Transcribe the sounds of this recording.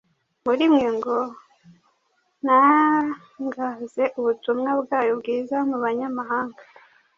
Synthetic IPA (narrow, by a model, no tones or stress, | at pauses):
muɾimŋeːŋɡo | na | ŋɡaze̞ʔuβutumŋabɡaːjobɡiːzamuβaɲamaɦaːŋɡa